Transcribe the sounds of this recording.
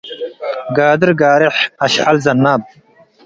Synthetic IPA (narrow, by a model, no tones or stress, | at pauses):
ɡaːd̪ɪɾɡaːɾeħɐɕɐ̰lzɐnːaːb̚